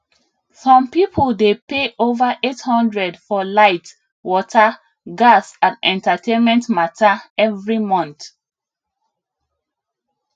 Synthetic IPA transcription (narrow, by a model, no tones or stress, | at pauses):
sɔ̃mpipʰəldepeʔovəʔethɔ̃ndɹɛdfɔlaɪt | wɔtʰə | ɡasãnɛ̃ntətʰẽnmɛ̃ntmatʰaɛvɹimɔ̃nθ